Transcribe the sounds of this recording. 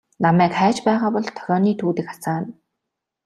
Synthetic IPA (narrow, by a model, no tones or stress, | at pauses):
namæːkχæːt͡ɕpæːʁaːpɔɮt̪ʰœ̥ɾʲɔːniːt̪ʰuːt̪ɘ̆kχḁsaːn